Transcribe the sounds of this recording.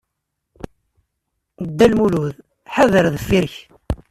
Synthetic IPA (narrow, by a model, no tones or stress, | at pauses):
əd̪ːælmuluð | ħaðəɾðəfːiɾç